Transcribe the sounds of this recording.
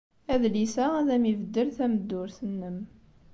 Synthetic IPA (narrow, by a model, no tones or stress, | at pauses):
æðlisææðæmivəd̪ːəɾθæməd̪ːʊɾθənːəm